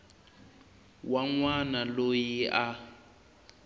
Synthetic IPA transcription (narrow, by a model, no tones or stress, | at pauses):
waŋwanalojiʔa